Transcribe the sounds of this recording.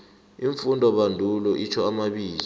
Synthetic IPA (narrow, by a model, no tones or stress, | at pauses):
iɱfundʱɔɓandʱulɔʔit͡ʃʰɔamaɓiːli